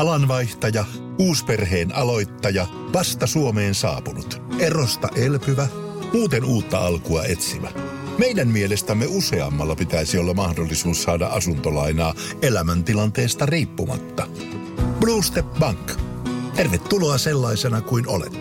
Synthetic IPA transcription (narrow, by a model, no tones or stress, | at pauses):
ɑlɑnʋɑiht̪ɑjɑ | uːsperɦeːnʔɑlo̞jt̪ːɑjɑ | ʋɑst̪ɑsuomeːnsɑ̰ːpunut̪ʔerost̪ɑʔelpyʋæ | muːt̪enuːt̪ːɑɑlkuɑet̪siʋæ | mejdæmmielest̪æmːeuse̞ɑ̰mːɑlːɑpit̪æisiolːɑmɑhdolːisuːssɑːdɑ̰ʔɑsunt̪olɑinɑːelæmænt̪ilɑnt̪eːst̪ɑriːpːumɑ̰t̪ːɑ | b̥luːst̪epbɑŋk | t̪ærʋet̪ːuloɑselːɑisenɑkuino̰lḛt̪ː